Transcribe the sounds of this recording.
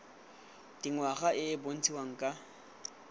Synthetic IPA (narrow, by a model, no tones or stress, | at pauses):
d̥iŋwaχaʔɪbon̩t͡sʰiwaŋ̩kʼa